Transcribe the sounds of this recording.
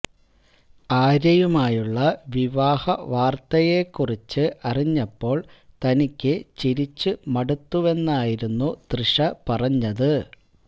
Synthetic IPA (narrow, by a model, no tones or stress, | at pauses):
aːɾjɐjumaːjuɭːɐʋiʋaːhɐʋaːrt̪ɐjekːurit͡ɕːɨʔɐriɲːɐpːo̞ːɭt̪ɐnikʲːɨt͡ɕiɾit͡ɕːɨmɐɽut̪ːuʋe̞nːaːjiɾunːut̪riʂɐpɐrɐɲːɐðɨ